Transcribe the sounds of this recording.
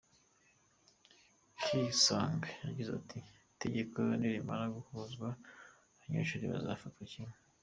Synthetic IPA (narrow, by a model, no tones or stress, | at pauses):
kisaŋɡajaɟiza̰tʰi | te̞ɟe̞kojniɾimaɾaɡuhuzɡwa | aɲḛʃuɾiβa̰zaːfatwacime